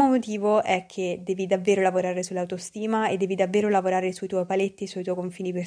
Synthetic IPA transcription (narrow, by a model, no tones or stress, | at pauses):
omot̪iːvoʔɛkʰːed̪ɛːvid̪avːeːɾolavoɾaːɾesulːawt̪ost̪iːmaed̪ːɛːvid̪avːeːɾolavoɾaːɾesuit̪ɔjpalet̪ːisuijt̪ɔjkoɱfiːnipe